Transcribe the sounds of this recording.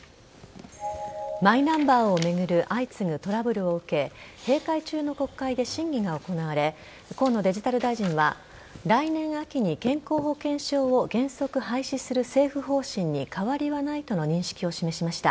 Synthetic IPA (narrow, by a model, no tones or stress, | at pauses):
mainãmbaːo̞me̞ɡɯ̟ɾɯ̟ʔait͡sɨŋɯ̟t̪o̞ɾabɯ̟ɾɯ̟o̞ɯ̟ke̞he̞ːkait͡ɕɨːno̞ko̞kːaid̪e̞ɕĩŋɡʲiɡao̞ko̞naβaɾe̞ | kõ̞nːo̞d̪e̞ʑit̪aɾɯ̟d̪aiʑĩɰ̃βa̰ | ɾainẽ̞ɰ̃akʲiɲ̟ikẽ̞ŋko̞ːɦo̞kẽ̞ɰ̃ɕo̞ːoɡẽ̞ɰ̃so̞kɯ̟ɦaiɕisɨɾɯ̟se̞ːɸɯ̟ɦo̞ːɕĩɲ̟ːikʰaβaɾʲiβanait̪o̞no̞ɲ̟ĩɰ̃ɕi̥kʲio̞ɕime̞ɕimaɕi̥t̪a